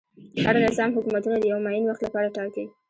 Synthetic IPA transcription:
haɾanɪzɑmɦʊkumat̪unad̪əjawmajinwaxt̪lapɑɾaʈɑki

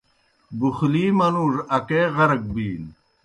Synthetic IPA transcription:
buxliːmɐnuːɾɐkeːʁɐɾɐk̚biːl

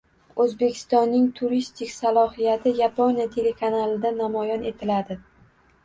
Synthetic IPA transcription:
ɵzbe̞kʲʰɪ̥st̪ɒnːɪŋt̪ʰuɾist̪ʰɪkʲsalˠɒhijat̪ʰɪjaponijat̪ʰe̞le̞kʰanalˠɪd̪anamɒjɒne̞t̪ʰɪlad̪ɪ

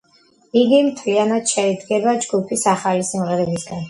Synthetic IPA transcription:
iɡimt̪ʰlianat̪ʃaid̪ɡɛbad͡ʒɡupʰisaχalisimʁɛɾɛbiɮɡ̪an

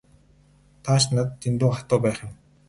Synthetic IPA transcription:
t̪ʰaːʃnat̪ːent̪uːχat̪ʊːpæːχɪ̆m

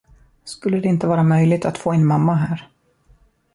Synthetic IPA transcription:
skɵlːəd̪ɛɪnt̪əvɑːɾamœjlɪɡ̚t̪ʰat̪foːɛnmamːaɦæːɾ

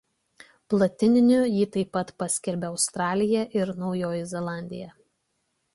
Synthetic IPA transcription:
plˠɐt̪ʲɪnʲɪnʲʊjiːt̪ɐɪpːɐt̪pɐsʲkʲɛɾʲbʲɛɒʊst̪ɾɑːlʲɪjɛʔɪɾnɒʊjoːjɪzʲɛlˠɑˑnʲd̪ʲɪjɛ

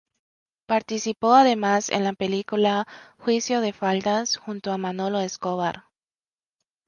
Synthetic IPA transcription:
paɾt̪isipo̞aðe̞masḛnlapelikulaxwisjo̞ðe̞fald̪asxunt̪oamano̞lo̞eskoβaɾ

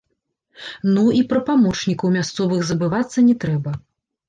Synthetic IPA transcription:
nuipɾɐpamɔt͡ʂnʲikɐwmʲast̪sɔvɨɣzɐbɨvat̪sːɐnʲɛt̪ɾɛbɐ

